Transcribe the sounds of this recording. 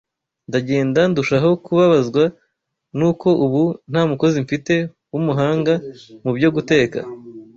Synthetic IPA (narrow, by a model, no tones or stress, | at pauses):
ndaɟe̞ːndanduʃaɦo̞kuβaβazɡwa | nuːko̞ʔuβun̥haːmuko̞ziɱfite̞ | wumuɦaːŋɡamubɟo̞ɡute̞ːka̰